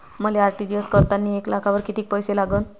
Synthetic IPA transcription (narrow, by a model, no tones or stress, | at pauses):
məleaɾʈid͡ʑjoskəɾt̪anːieklakʰaʋəɾkit̪iːk̚pəjselaɡən